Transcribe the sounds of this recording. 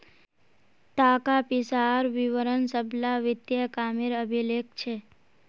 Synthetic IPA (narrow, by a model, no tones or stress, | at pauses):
t̪akapisaɾʋiʋəɾənsəbʱlaʋɪt̪jəkamiɾəbʱilekt͡ʃʰe